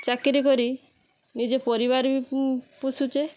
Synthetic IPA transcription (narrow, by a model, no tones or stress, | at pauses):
t͡ʃakɾik̬oɾi | nid͡ʒepɔɾiβaɾipusut͡ʃe